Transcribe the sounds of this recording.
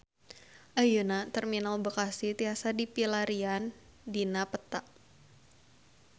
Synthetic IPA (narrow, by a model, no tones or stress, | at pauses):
ʔajunat̪ərminalbəkasit̪iasadipilaɾian | dinapət̪aʔ